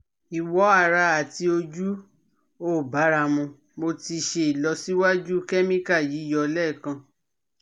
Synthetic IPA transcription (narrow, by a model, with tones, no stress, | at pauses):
i˨wɔ˨˦a˦˨ɾa˧a˨ti˧o˧d͡ʒu˦ | o˦˨ba˨˦ɾa˧mũ˧ | mo˧ti˧ʃe˧i˨lɔ˧˦si˦wa˦d͡ʒu˦kɛ˦mĩ˦ka˦˨ji˨˦i˦jɔ˧lɛ˦˨kã˧